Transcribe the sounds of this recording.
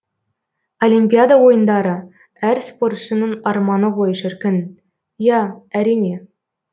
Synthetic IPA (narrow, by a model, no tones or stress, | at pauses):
olʲimpʲijad̪awo̞jənd̪ɑɾə | æɾspo̞rt̪ʃənəɴɑɾmɑnəqʰo̞jəʃɪɾkʲɪn | jɑæɾijne̞